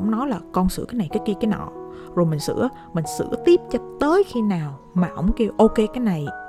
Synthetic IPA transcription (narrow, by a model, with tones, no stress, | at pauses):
wŋ͡mnɔ˨˦jlaː˨˩kɔ˧nsɨ̰˧˥kaː˨˦na˨˩jkaː˨˦jki˧kaː˨˦nɔ̰˧˨ | zo˨˩jmi˨˩ŋ̟sɨ̰˧˥ə | mï˨˩ŋ̟sɨ̰˧˥ət̪i˦˥p̚t͡ɕɔ˧t̪əː˨˦jxi˧naː˨˩w | maː˨˩ʔə̰˧˥wŋ͡mki˧əwʔo˧ke˧kaː˨˦jna˨˩j